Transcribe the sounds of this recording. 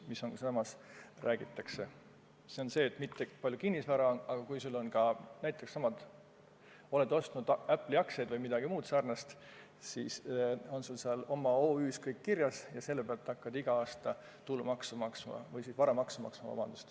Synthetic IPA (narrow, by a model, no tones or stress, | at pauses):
misːonsɑmɑsrʔæːɡ̥it̪ːˑɑkse̞ | se̞o̞nse̞ːt̪ˑmit̪ːepɑlʲjukinːisvɑɾɑonɑɡ̥ɑkujsulːo̞nkɑnæjt̪ːˑe̞kssɑmɑd̪ | o̞let̪ːo̞st̪nud̪̥æpːˑliɑkse̞jd̪̥vɤjmid̪̥ɑɡ̥imuːt̪sæːrnɑst̪ | siːso̞nsulsɑlo̞mːɑo̞ːyːskɤjkːirjɑsjɑse̞lːeb̥eɑlt̪ːɑkːɑd̪iɡ̥ɑɑːst̪ɑ | t̪ulːumɑksumɑksmɑ̰vɤjsisvɑɾɑmɑksɑmɑ̰ksmɑvɑ̰b̥ɑ̰nd̪ust̪